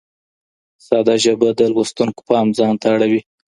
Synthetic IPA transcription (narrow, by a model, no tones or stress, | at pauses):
sɑd̪ɑʒəbad̪əlwost̪uŋko̥pɑmzɑnt̪aːɽawi